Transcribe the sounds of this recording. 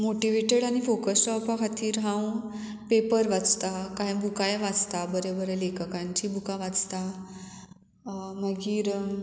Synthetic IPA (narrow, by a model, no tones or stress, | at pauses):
moʈiʋeʈeɽañifokəsɔpakʰat̪iːɾɦãw | pepəɾʋat͡st̪akaɦẽbukajʋad͡zt̪abəɾebəɾɛlekəkãɲt͡ɕiːbukaʋat͡st̪a | məɡiːɾə